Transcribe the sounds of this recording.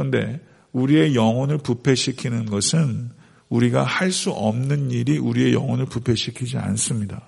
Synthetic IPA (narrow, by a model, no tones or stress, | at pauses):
kɾʌnde̞ | uɾie̞jʌŋwʌnɯɭpupʰe̞ɕʰikʰinɯnɡʌsʰɯn | uɾiɡahaɭs͈uʔʌmnɯniɾiʔuɾie̞jʌŋʌnɯɭpupʰe̞ɕʰikʰid͡ʑia̰ns͈ɯmɲida